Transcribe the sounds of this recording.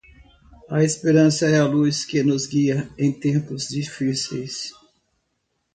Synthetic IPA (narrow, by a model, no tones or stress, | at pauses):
ɐespeɾɐ̃sɐɛɐluskɪnʊzɡiɐẽj̃t̪ẽmpʊzd͡ʒifisejs